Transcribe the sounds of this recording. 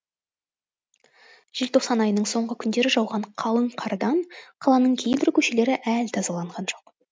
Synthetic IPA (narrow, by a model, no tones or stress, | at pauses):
ʒ̥ɪlt̪ʰo̞qsɑnɑjənəɴso̞ɴʁəkʲʰʏnd̪e̞ɾɪʒɑwʁɑɴqʰɑlˠəɴqʰɑɾd̪ɑɴqʰɑlˠɑnəɴkʲʰe̞jbɪɾkʲʰɵʃe̞le̞ɾɪʔælt̪ʰɑzɑlˠɑɴʁɑnʒo̞q